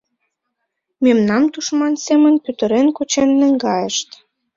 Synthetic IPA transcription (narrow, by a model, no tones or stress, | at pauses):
memnɑmt̪uʃmɑnsemənpyt̪ə̆ɾenkut͡ɕenːə̆ŋɡɑjəʃt̪